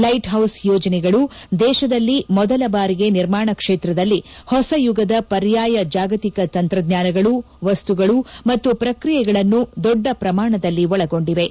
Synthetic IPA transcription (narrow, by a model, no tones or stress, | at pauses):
lɐjʈɦɐwsjɔːd͡ʒɐnɛɡɐɭu | d̪ɛːʃɐd̪ɐlːimɔd̪ɐlɐbaːɾiɡe̞niɾmaːɳɐkʂeːt̪ɾɐd̪ɐlːihɔsɐjuɡɐd̪ɐpɐɾjaːjɐd͡ʒaːɡɐt̪ikɐt̪ɐnt̪ɾɐd̪ɲaːnɐɡɐɭu | ʋɐst̪uɡɐɭumɐt̪ːupɾɐkɾijɛɡɐɭɐnːud̪ɔɖːɐpɾɐmaːɳɐd̪ɐlːiɔɭɐɡo̞ɳɖiʋe̞